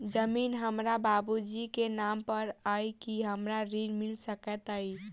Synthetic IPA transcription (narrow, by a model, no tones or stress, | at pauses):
d͡ʒəminɦəmɾababud͡ʒikenampəɾajkiɦəmɾaɾiɾmilsəkɛt̪əj